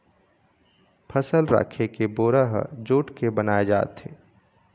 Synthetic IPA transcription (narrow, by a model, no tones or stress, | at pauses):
pʰəsəlɾa̰ːkʰekeboːɾəɦd͡ʒoːʈkebənaːed͡ʒa̰ːt̪ɦḛː